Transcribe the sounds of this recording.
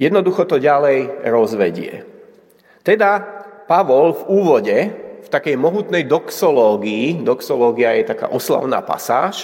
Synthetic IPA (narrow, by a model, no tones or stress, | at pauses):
jɛd̪nɔd̪uxɔt̪ɔɟalɛjɾɔzʋɛɟɪɛ̰ | t̪ɛd̪apaʋɔlvuːʋɔɟɛft̪akɛjmɔɦut̪nɛjd̪ɔksɔlɔːɡiid̪ɔksɔlɔːɡiajɛt̪aka̰ːʔɔsla̰ʊna̰ːpa̰sa̰ːʃ